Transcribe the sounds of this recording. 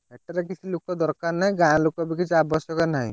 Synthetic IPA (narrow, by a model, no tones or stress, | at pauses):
ɛʈaɾek̬it͡ʃʰilokːɔd̪ɔɾkaɾnaɦĩɡãlokɔbikit͡ʃʰiabɔsjɔkanaɦḭ̃